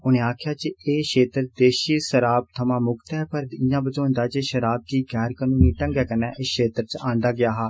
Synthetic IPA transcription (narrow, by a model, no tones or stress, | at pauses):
ʊnẽːaːkʰjaːt͡ʃəeːʃeːt̪ɾd̪eːʃiːʃəɾaːb̚t̪ʰəmãːmʊkt̪ɛːpəɾd̪ɪjãːbəd͡ʒoːnd̪aːt͡ʃeʃəɾaːb̚k̪iːɡɛːɾkənũːniːʈə̃ŋɡɛːkənɛːʔɪsʃʰeːt̪ɾt͡ʃãːɳd̪aːɡɪjaːɦaː